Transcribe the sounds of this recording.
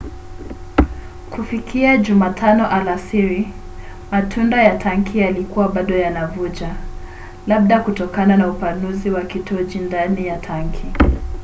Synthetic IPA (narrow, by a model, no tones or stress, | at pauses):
kufikʰiaʄumatʰanɔʔalasiɾi | matʰundajatʰaŋkʰijalikuwaɓaɗɔjanavud͡ʒa | laɓ̚ɗakutɔkananaupanuziwakitɔd͡ʒindanijatʰaŋkʰi